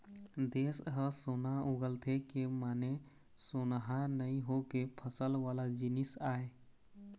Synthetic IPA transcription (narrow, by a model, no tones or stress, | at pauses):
d̪esɦəsonauɡəlt̪ʰekemaːne | sonɦanəĩɦokepʰəsəlʋaːlad͡ʒinisaːe